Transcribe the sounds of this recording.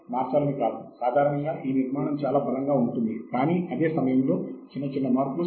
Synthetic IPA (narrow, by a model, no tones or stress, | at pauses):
maːɾsaːlɐnikaːd̪ɐmsaːd̪ʱaːɾɐɳɐŋɡaːʔiːniɾmaːɳɐmt͡ʃaːlaːbʱɐlɐŋɡaːuɳʈund̪ikaːniɐd̪e̞ːsɐmɐjɐmlo̞ːt͡ʃinːɐt͡ʃinːɐmaːɾku